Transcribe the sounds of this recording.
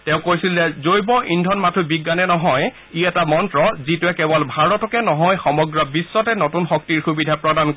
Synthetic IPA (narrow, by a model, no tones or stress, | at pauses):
tɛʊ̃kojsilːɛzojbɔʔindʱɔnmatʰubiɡːanɛnɔɦɔj | iɛtamɔntɹɔzituɛkɛbɔlbʱaɹɔtʰɔkɛnɔɦɔjxɔmɔɡɹɔbisːɔtɛnotunxɔk̚tiɹxubidʱapɹɔdank